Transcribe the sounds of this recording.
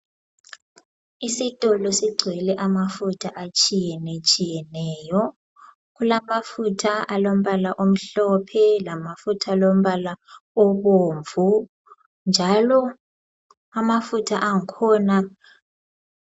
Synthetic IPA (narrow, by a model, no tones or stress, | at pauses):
isitʼɔlɔsiɡ͡ǀʱwɛlɛʔamafutʰaʔat͡ʃʼijɛnet͡ʃʼijɛnɛːjɔ | ɣulamafutʰaalom̩βalaʔom̩ɬɔpʰɛlamafutʰalom̩βalaɔβoːɱvʱu | nd͡ʒʱalɔ | amafutʰaʔaŋ̩kʰɔːna